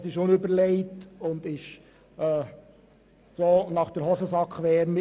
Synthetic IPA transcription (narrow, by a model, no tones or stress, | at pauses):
sɪʃʊnʏbəɾlɛɪtʊnd̪ɪʃ | ɛː | soːnɑχd̥əɾɦɔsəsɑkχʋɛːɾmɪ